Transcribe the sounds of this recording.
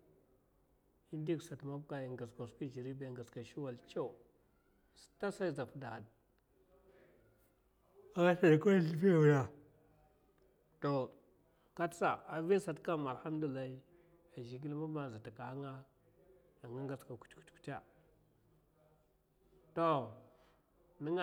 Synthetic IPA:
i˦ndi˦ksa˨tma˦bka˦˨i˨ŋɡa˨ska˨ski˦d͡ʒi˨ɾi˦be˨ŋɡa˨ska˨ʃi˦wa˨lt͡ʃo˦˨ | sta˦sa˦i˦za˨fda˨a˨d̚ | a˦ɡa˦ɬa˨na˨ko˦jɬi˦fi˦˨u˨ja˦ | to˨ | ka˦tsa˨a˨vi˦sa˨tka˦ma˨lha˦m˦du˨la˨i˦ | a˨d͡ʒi˨ɡ̬i˦lma˦ma˨za˨ta˨ka˨a˦ŋa˦ | a˨ŋa˦ŋɡa˨ska˨ku̥˦tku̥˦tku̥˦ta˦ | to˦ | ni˦ŋa˨

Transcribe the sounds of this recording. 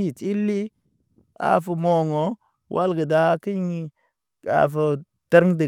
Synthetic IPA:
i˨ti˦lːi˦ | a̰˨fu˨mo˨ŋo˨ | wʔa˦lɡə˨da˦ki˦jŋi˦ | a̰˨fə˨ | tə˦ɾŋ˦də˨

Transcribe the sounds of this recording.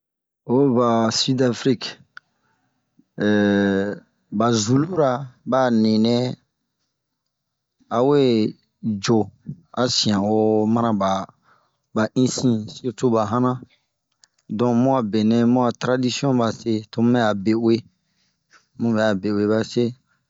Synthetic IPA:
o˦ba˨si˦da˨fɾi˦k | ba˨zu˨lu˦ɾa˨ba˦nĩ˨nɛ̃˦ | a˨we˦ | d͡ʒo˨ | a˨˦sĩ˨ã˨wo˦mã˦ɾã˦ba˨ | ba˨ʔĩ˦sĩ˦si˦to˦ba˨ɦã˦nã˦ | dɔ̃˨mũ˦a˨be˨nɛ̃˦mũ˦a˨tɾa˦di˦si˦ɔ̃˦ba˨se˦to˦mɛ˦a˨be˨we˦ | mũ˦bɛ˨a˨be˨we˦˨ba˦se˦

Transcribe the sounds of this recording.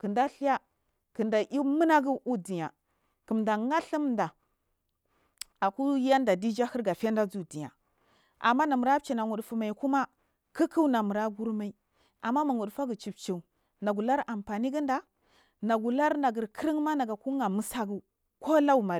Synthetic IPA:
kə˨nda˦ɬi˦ja˦ | ki˨nda˨ʔi˦mə˦na˦ɡu˦ʔu˦di˨ja˨ | ki˨mda˨ŋa˦ɬi˦m˨da˨ | a˨ku˦a˦nda˨di˦d͡ʒa˦hi˦ɾɡa˨fa˦nda˦d͡zu˨di˨ja̰˨ | a̰˨mːa˦na˨mu˨ɾa˦p̚t͡ʃi˨na˨ŋu˨ɗfu˨ma˨i˨ku˦ma˦ | ki˦ki˦wna˨mu˨ɾa˦ɡu˦ɾma˦i˨ | a˨mːa˦ma˨ŋu˨dfa˦ɡu˨t͡ʃi˨b̚t͡ʃi˨ | na˨ɡu˨la˦ɾa˨mpa˨ni˦ɡi˦nda˨ | na˨ɡu˨la˦ɾna˨ɡi˨ɾkʰə˦ɾi˦ŋma˦na˨ɡa˨ku˦ŋa˨mu˦sa˦ɡu˨ | ko˦la˦u˨ma˨

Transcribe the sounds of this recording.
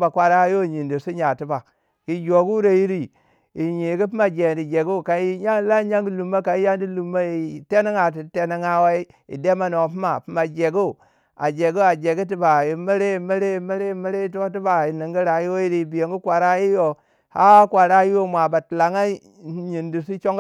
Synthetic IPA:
ba˨kwʷa˨ɾa˦jo˦˨ɲi˨ndi˨su˦ɲa˨ti˦ba˨ | ji˨d͡ʒo˨ɡu˦ɾa˨ji˦ɾi˦ | i˨ɲi˨ɡi˦pi˦ma˨d͡ʒe˨n˨di˨d͡ʒe˨ɡu˦˨ka˨i˦ɲa˦la˦ɲa˦ŋɡi˦lu˨mːa˦ka˨i˦ja˦ndi˦lu˨mːa˦ji˨te˦ni˦ŋa˨ti˨˦te˦ni˦ŋa˦wa˦i˦ | ḭ˨de˦ma˨no˨pi˦ma˨pi˦ma˨d͡ʒe˨ɡu˦˨ | a̰˨d͡ʒe˨ɡu˦a˨d͡ʒe˨ɡi˦t̬i˦ba˨ji˨mi˦ɾe˦i˨mi˦ɾe˦i˨mi˦ɾe˦i˦˨mi˦ɾe˦i˦t̬o˦t̬i˦ba˨i˨ni˨ŋɡi˦ɾa˨ji˦wo˦ji˦ɾi˦˨bi˨je˨ŋɡu˦kwa˨ɾa˦ji˦jo˨ | ha̰˦kwa˨ɾa˦ji˦wo˦˨mʷa˨ba˨ti˨la˨ŋa˦ | ɲi˨ndi˨si˦t͡ʃo˦ŋ˦

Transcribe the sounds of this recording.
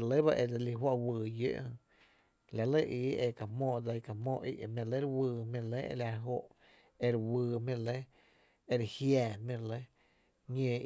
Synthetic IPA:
ɾlə˦ba˦ʔe˧d͡za˧li˧ɦwa˦ʔwɨː˨jḛ˦ʔhə̃˧ | la˧˨lə˦ʔiː˨˦ʔe˧ka˨mɔ̃ː˧˨d͡za˧i˧ka˨mɔ̃ː˧˨ʔḭ˦ʔmẽ˧le˦ɾwɨː˧mĩ˧˨le˦ḛ˧˨lʲa˧ɦo˧ʔ | e˧ɾwɨː˧˨mĩ˧˨le˦ | e˧ɾhjɛː˨mĩ˧ɾlə˦ | ɲẽː˧˨

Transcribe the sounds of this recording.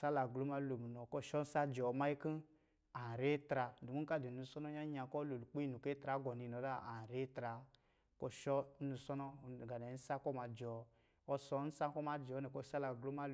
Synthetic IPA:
sa˦la˨ɡlo˦ma˦lo˨m˨nɔ˨kɔ˦˨ʃɔ˦n̩˦sa˦d͡ʒɔ˨˦ma˦i˦ki˦ | a˨ɾe˦tɾa˧du˨mu˦ŋ˦ka˦˨di˨u˧˦sɔ˦nɔ˦a˦ɲa˧kɔ˦lo˨lk͡pi˦i˦˨nu˨ke˦tɾa˨˦ɡɔ˨ni˧˨nɔ˨da˦a˨ɾe˦tɾa˨ | kɔ˦ʃɔ˦nu˧˦sɔ˦nɔ˦˨ɡa˨nɛ˨˦n̩˦sa˦kɔ˦ma˧d͡ʒɔ˨ | ɔ˧sɔ˨˦n̩˦sa˦kɔ˦ma˨d͡ʒɔ˨˦nɛ˨kɔ˦˨sa˦la˨ɡlo˦ma˦

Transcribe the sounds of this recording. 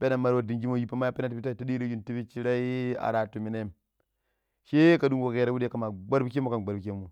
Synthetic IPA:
be˦na˨ma˦ɾwo˨di˨ŋd͡ʒi˦mo˦˨ji˦pa˦ma˦a˦pi˦na˦tpi˦ta˦˨ta˦ɗi˦ɾe˦ju˦nti˦bi˦t͡ʃi˦ɾa˦i˦a̰˨ɾa˨tu˨mi˨na˦m | ʃe˦ka˨du˦ŋɡo˨ɣe˦˨ɾa˦wu˦de˦ka˨ma˨ɡ͡ba˦ɾbi˦ke˦mːu˦ka˨nɡ͡ba˨ɾbi˨ke˦mu˨

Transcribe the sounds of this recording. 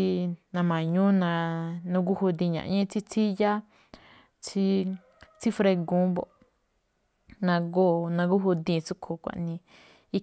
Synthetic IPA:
i˧nã˧mã˨ɲũ˦nã˧nũ˧ɡu˦hu˧d̪ĩ˧ɲã̰˨ʔɲẽ˦t͡si˦t͡sʰi˦ja˦ | t͡sʰi˦ | t͡si˦fɾe˧ɡũ˦bo˨ʔ | nã˧ɡo˦nã˧ɡu˦ɦu˧d̪ĩ˧˨t͡su˦kʰu˧˨kʷa̰˨ʔnĩ˧ | i˦

